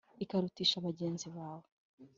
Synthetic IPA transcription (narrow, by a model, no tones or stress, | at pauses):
ikaɾutiʃaβaɟeːnziβaːwo